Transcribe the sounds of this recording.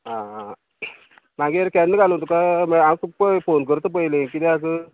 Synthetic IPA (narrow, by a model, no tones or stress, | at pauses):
ɦã | maɡeɾkɛnːəɡʱalt̪ukaməamsuk̚pəfonkəɾt̪əp̬əjlekid̪eakə